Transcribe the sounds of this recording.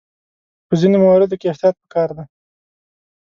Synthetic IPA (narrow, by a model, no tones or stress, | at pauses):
pəzinomawaɾɪd̪okeɪht̪jɑt̪̚pə̥kɑɾd̪a